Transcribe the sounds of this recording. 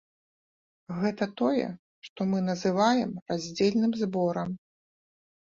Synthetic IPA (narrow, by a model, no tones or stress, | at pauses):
ɣɛt̪ɐt̪ɔjɛ̰ | ʂt̪ɔmɨnɐzɨvajɛmrazʲd͡zʲelʲnɨmzbɔɾɐm